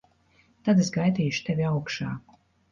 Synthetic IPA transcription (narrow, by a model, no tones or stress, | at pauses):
t̪ad̪esɡajd̪iːʃu̥t̪evʲiawkʃɑ̰ːku̥